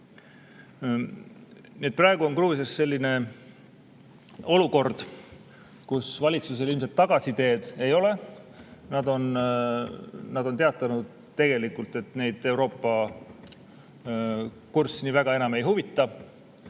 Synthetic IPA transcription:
niet̪̚prɑe̞ɡ̥uo̞nkruːsjɑsːe̞lʲːine̞ | o̞luko̞rd̪̥ | kusvɑlʲit̪sus̬e̞lilmset̪ːɑɡ̥ɑsit̪e̞ːd̪̥e̞jo̞le̞ | nɑd̪o̞n | nɑd̪o̞nt̪e̞ɑt̪ːˑɑnud̪̥ | t̪e̞ɡ̥e̞likult̪ˑe̞t̪ne̞jd̪̥e̞wɾo̞ːpːɑ | kursiniːvæɡ̥ɑe̞nɑme̞jɦuvit̪ˑːɑ

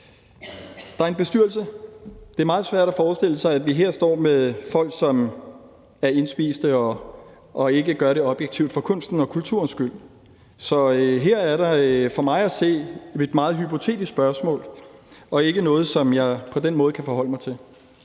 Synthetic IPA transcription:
d̥ɑ̈æɐe̝nb̥e̝sd̥yɐlsəd̥e̝æɐmɑ̈ːð̞̩ˠsʋæɐ̰ɾ̥æfɒːsd̥e̝l̰əsɑ̈ɪæd̥ʋiɦeɐ̰sd̥ɒ̰ːmeðˠfɒ̽l̰ɡ̥sɒ̽m | æɐe̝nsb̥ḭːsd̥əɒ̽ː | e̝ɡəɡ̥ɶɐɾe̝ɒ̽b̥jeɡ̥̚t͡sʰiʊd̥fɒ̽kʰɔ̽n̰sd̥n̩ɒ̽kʰult͡sʰuɐnsɡ̥yl̰ | sɒ̽øɦeɐ̰æɐɾɑ̈fɒ̽mɑ̈ɪæse̝̰ːe̝d̥mɑ̈ːð̞̩ˠɦypʰo̝t͡sʰe̝̰ːd̥issb̥ɶɐsmɔ̰̽ːlɒ̽e̝ɡ̥ənɔ̽ːð̞̩ˠsɒ̽mjɑ̈ɪpʰɒ̽d̥enmɔ̽ːð̩ˠkʰæfɒhɒ̽l̰əmɑ̈ɪt͡sʰe̝l

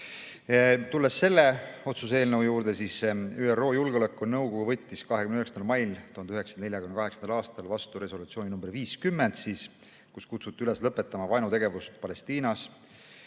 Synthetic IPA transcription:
t̪ulːesːe̞lːe̞o̞t̪suse̞ːlnəwujuːɾd̪̥e̞sisyːero̞ːjulɡeolekːˑunɤwɡo̞ɡ̥uvɤ̞t̪ʲːiskɑɦekymnyheksɑnd̪ɑlmɑjlt̪uhɑnd̪yheksɑ̥ne̞lʲjɑkymnɑkɑɦesɑnd̪ɑlɑːst̪ɑlvɑst̪uɾe̞so̞lut̪sioninumbeɾviːskymːend̪siːs | kuskut̪sut̪ːˑiyle̞slɤpːˑe̞t̪ːˑɑmɑvɑjnut̪e̞ɡ̥e̞vust̪pɑle̞st̪iːnɑs

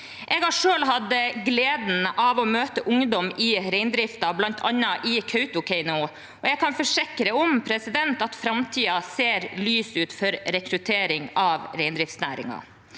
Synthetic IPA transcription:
ʔɛːɡɑʂøːlɦɑd̪əɡleːd̪n̩ɑʋɔmøːt̪əʔʊŋd̪ɔmɪɾɛɪnd̪ɾɪft̪ɑblɑnt̪ʰɑ̰nːɑʔɪkʰœʉt̪ʊkʰɛɪnʊ | ʔɔɛɡ̚kʰɑnfɔʂɪkɾəɔmpʰɾɛsɪd̪ɛnt̪ɑt̪fɾɑmt̪ʰiːɑseːɾlyːsʉːt̪fɔɾɾɛkɾʉt̪ʰeːɾɪŋɑʋɾeɪnd̪ɾɪft̪snæ̰ːɾɪ̰ŋɑ̰

